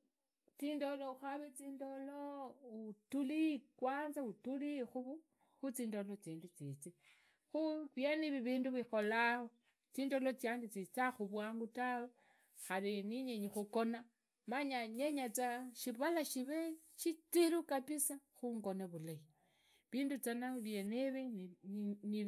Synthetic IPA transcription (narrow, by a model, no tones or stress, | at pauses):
t͡siːndolouxaβet͡siːndoloutulikwaːnzautulixuβu | xut͡siːndolot͡siːndut͡sit͡si | xuβjeniβiβiːnduβixo̞laho | t͡siːndolot͡sjaːndit͡sit͡saxuβwaːŋɡutawo | xaliniɲeɲixukona | maɲaɲeɲat͡saʃiβalaʃiβe | ʃit͡siɾukapisaxuŋɡo̞neβulai | βiːndut͡sanaβjeniβi | ni